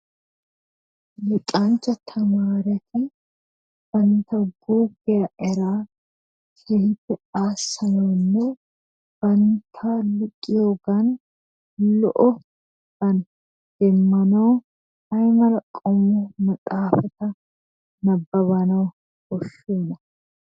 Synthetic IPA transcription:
lɪtʼaːnt͡ʃːɐt̪ʰɐmaːɾɛt̪ɪ | b̥ɐnt̪ɐɡuːɡɛjɐɛɾaː | kɛht̪ɛaːsːɐnoːnːo | b̥ɐnt̪ʰaːlʊkʼːɪjoːɡɐn | lɔʔɔ | ɡ̥ɐn | d̪̥ɛmːɐnoː | ɐjmɐlɐkʼːɔmumɐt̪ʼaːfɐt̪ɐ | nɐbːɐβɐnɐw | bɔʃːuːnɐ

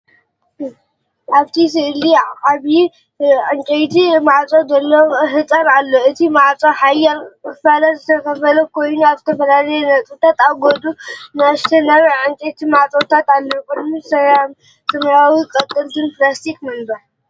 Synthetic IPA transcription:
ħaβt̪ʰisɨʔɨliaβi | ʕɨnt͡ʃʼejt̪ʰimaʕt͡sʼozɐlːɐhɨt͡sʼɐɾalːoɨt̪ʰimaʕt͡sʼoħajalɨfalɐzɨt̪ʰɐkʰɐfɐlɐkʰo̞jnuaβzɨt̪ʰɐfɐlalɐjɛnɐt͡sʼɨt̪ʰat̪aɡod̪ʼunɨast̪ʰɐnɐɾʕɨŋt͡ʃʼejt̪ʰimaʕt͡sʼot̪ʰat̪alːokɨd̪mɨsɐjam | sɨmɾawikʼɐt̪ʼːɨlt̪ʰɨnplast̪ʰikmɐnbɐɾ

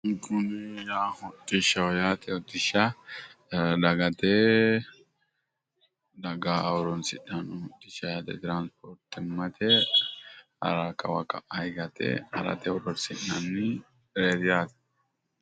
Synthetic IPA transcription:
ŋkʊnɪjaːhʊt̪ʼːɪʃɐwɔjaːt̪ɛɔt̪ːɪʃɐ | ᶑɐɡɐt̪e | dɐɡaɔɾɔnsɪᶑɐnɔt̪ːɪʃɐjaːt̪ɛt̪ɪɾaːnspɔɾt̪ːɪmːɐt̪ʰɛ | hɐ̰ɾakɐwɐkɐʔɐjɡɐt̪ɛ̰hɐɾɐ̰t̪ɛɔɾɔnsɪʔːɐnːɪ | ɾeːd̪ɪjaːt̪ɛ̥

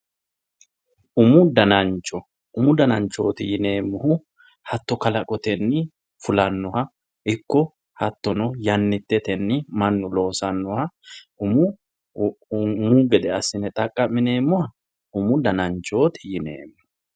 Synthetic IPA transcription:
ʔʊmʊd̪ɐnɐnt͡ʃːɔ | ʊmʊd̪ɐnɐnt͡ʃːo̞ːt̪ɪjɪne̞ːmːʊhʊ | hɐt̪ːɔkɐlɐkʼɔt̪ɛnːɪ | fʊlɐnːɔhɐ | ʔɪkːɔ | hɐt̪ːɔnɔjɐnːɪt̪ːɛt̪ɛnːɪmɐnːʊlo̞ːsɐnːɔhɐʊmʊ | muɡɛd̪ɛɐsɪnɛt̪ʼɐkʼːɐmːɪne̞ːmːʊhɐ | ʊmʊd̪ɐnɐnt͡ʃːo̞ːt̪ɪ̥jɪnḛːmːʊ̥

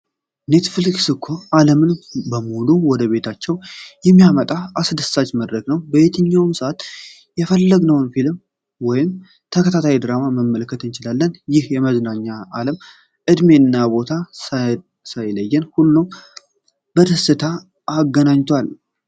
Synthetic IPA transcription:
ne̞t̪fliksɨkʰːo̞aləmɨnbəmuluwɔd̪əβe̞t̪ʰat͡ʃːɛwjɛmːijamət̪ʼaʔasɨd̪ɨstat͡ʃməd̪ɾəɡnəwbəβe̞t̪ʰɨɲːawmsəʔat̪ | jɛfəlːəɡnəwnfilɨm | wɔjɪm | t̪ʰəkʰət̪ʰat̪ʰajid̪ɨɾamaməmːələkːət̪ɨnt͡ʃɪlalːənjɪhjɛməznaɲːaaləm | ʔɨd̪me̞nːabo̞t̪ʰa | sajləjːɛnhulːum | bət̪ʰɨsɨt̪ʰaː | ɡːənaɲt̪ʰwal

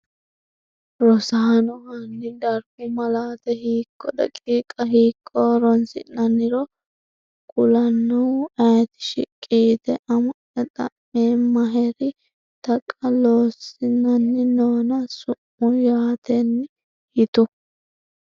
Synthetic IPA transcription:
ɾɔsɐɦɐnɔhɐnːɪd̪ɐɾbʊmɐlaːt̪ɛhiːkʼːɔd̪ɐ̰kʼiːkʼɐɦiːkʼːɔɾɔnsɪ̰nːɐnːɪɾɔ | kʼʊlɐnːʊwɐjt̪ɪ̥ʃɪ̰kʼiːt̪ɛʔɐmʊnɛt̪ʼɐ̰mːeːmɐɦɛɾɪ | t̪ɐkʼːɐloːsɪnɐnːɪnoːnɐsʊmːʊjaːt̪ɛnːɪ | hɪt̪ʊ

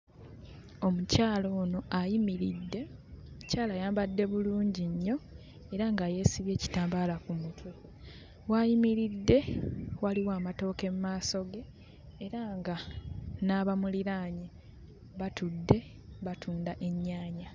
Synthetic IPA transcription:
o̞mucaːlo̞ːno̞ʔajimiɾidːe̞ | caːlajaːmbadːe̞βuluːɲɟiɲːo̞ | e̞ɾaŋɡaːje̞ːsiβje̞ːci̥taːmbalakumutwe | wajimiɾidːe̞waliwaːmato̞ːke̞mumaːso̞ɡe̞ː | ɾaŋɡanaːβamuliɾaːɲe | βatudːe̞ | βatʰuːndaʔe̞ɲːaːɲa

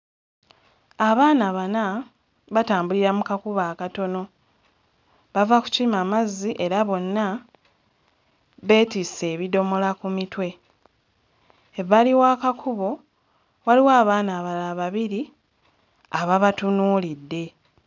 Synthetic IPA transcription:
aβaːnaβana | βataːmbuliɾamukakuβaːkato̞no̞ | βavaku̥ciimamaziʔe̞ɾaβo̞nːa | βe̞ːtise̞ːβido̞mo̞lakumitwe̞ | eβaliwaːkakʰuβo̞ | waliwaːβaːnaːβalaβaβiɾi | aβaβatunuːlidːe̞

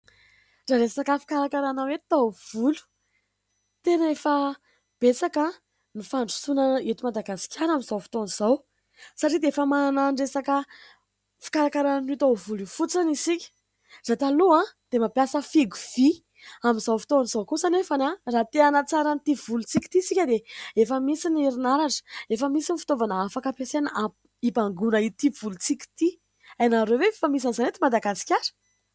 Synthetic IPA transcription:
raɾessakəfi̥kaɾakaɾanawet̪av̥ulu̥ | t̪enəefa | b̥esakə | nifaɳɖ͡ʐu̥sunəet̪umad̪aɡasi̥kʲanaminzawfi̥t̪oniz̥aw | saʈ͡ʂid̪eefəmananaɳɖ͡ʐesakə | fi̥kaɾakaɾannit̪awvulufut͡sanisikʲi̥ | z̥at̪aluad̪̥emapjasəfiɡuv̥i | amizawfi̥t̪ovanzawkusanefanarat̪eanat͡saɾanit̪ivulut͡sikʲi̥t̪isikʲəd̪eefəmisiniɾinaɾaʈ͡ʂə̥efəmisinifi̥t̪ovanəafakəpesena | ibaŋɡunəit̪ivulut͡sikʲi̥t̪i | ajnaɾewvefəmis̬anizanet̪imad̪aɡasi̥kʲaɾə̥

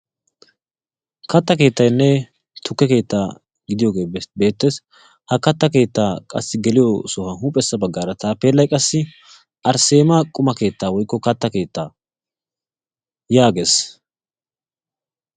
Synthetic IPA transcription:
kɐt̪ːɐke̞ːt̪ːɐjnːɛ | t̪ʰʊkːɛke̞ːt̪ːaː | ɡɪd̪ɪjo̞ːɡe̞ːbbe̞ːt̪ːes | hɐkɐt̪ːɐke̞ːt̪ːaːkʼɐ̰sːɪɡɛlɪjosɔhɐɦuːpʼɛsːɐbɐɡːaːɾɐt̪aːpeːlːɐjkʼɐsːɪ | ʔɐɾse̞ːmɐkʼʊmɐke̞ːt̪ːaːwɔjkːɔkɐt̪ːɐke̞ːt̪ːaː | jaːɡeːs

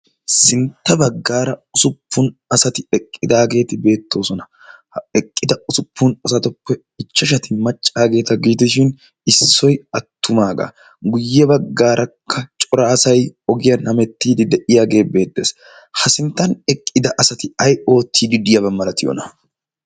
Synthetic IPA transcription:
sɪnt̪ːɐbɐɡːaːɾɐʊsʊpʰːʊnɐsɐt̪ɪɛkʼːɪd̪aːɡe̞ːt̪ɪbe̞ːt̪ːo̞ːsɔnɐ | ɛkʼːɪd̪ɐʊsʊpʰːʊnɐsɐt̪ɔpːɛ | ɪt͡ʃːɐʃ̬ɐt̪ɪmɐt͡ʃʼːaːɡe̞ːt̪ɐɡɪd͡ʒɪt̪ɪʃɪn | ɪsːɔjɐt̪ʰːʊmaːɡa̰ | ɡʊjːɛbɐɡːaːɾʔɐkʰːɐt͡ʃʼɔɾaːsɐjɔɡɪjɐnhɐmɛt̪ːiːd̪ɪd̪ɛʔɪjaːɡe̞ːbe̞ːd̪ːeːs | hɐsɪnt̪ːɐnɛkʼːɪd̪ɐʔɐsɐt̪ɪɐjo̞ːt̪ʰːiːd̪ɪd̪ɪjɐbɐmːɐlɐt̪ɪjɔ̰nɐ

